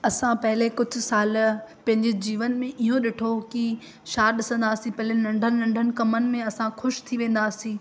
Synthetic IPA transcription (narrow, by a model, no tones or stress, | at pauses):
ɐsãpɐɦɪlekʊd͡ʑʱʊ̆saːlpɐ̃ɦɪ̃ɲd͡ʑed͡ʑiːʋənmẽʔiɦõɗɪʈʰoki | ʃaːɾɗɪsə̃nd̪aːsĩpɐɦɪlenɐ̃ɳɖʱənnɐ̃ɳɖʱənɪ̆kɐmənɪ̆mẽɐsãxʊʃt̪ʰiʋẽːn̆d̪aːsĩː